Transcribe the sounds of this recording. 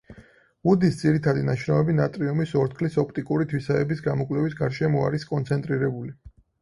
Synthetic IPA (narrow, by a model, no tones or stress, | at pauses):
ud̪isd̪ziɾit̪ʰad̪inaʃɾaɛbinat̪ʼɾiɔmisɔɾt̪ʰkʰlisɔpʰt̪ʼikʼuɾit̪ʰwisaɛbisɡamɔkʼwlɛvisɡaɾʃɛmɔa̰ɾiskʼɔnt̪sʰɛnt̪ʼɾiɾɛbuli